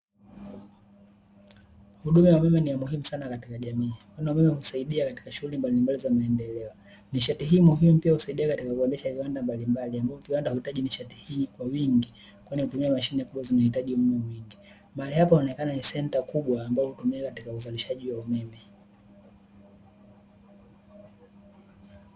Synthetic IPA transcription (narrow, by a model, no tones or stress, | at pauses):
huɗumajaumɛmɛnijamuɦimusanakati̥kaʄamiːkwanaumɛmɛhusaiɗiakati̥kaʃuɣulimbalimbalizamaɛndɛlɛɔ | niʃatiɦiːmuɦimupiahusaiɗiakatikakuwandɛʃaaviwandambalimbaliambaɔviwandahuhitaʄiniʃatihiːkwawiŋɡi | kwainikutumiamaʃinɛkuɓwazinahitaʄiumumɛmwiŋɡi | maalihapahunɛkananisɛntakuɓwaːmbaɔhutumiakatikauzaliʃaʄiwaumɛmɛ